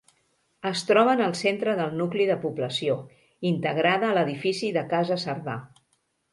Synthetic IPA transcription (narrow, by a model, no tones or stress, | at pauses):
əst̪ɾɔβ̞ənəlˠsent̪ɾəðəlˠnukliðəpubləsio | int̪əɣɾaðəːləðifisiðəkazəsəɾða̰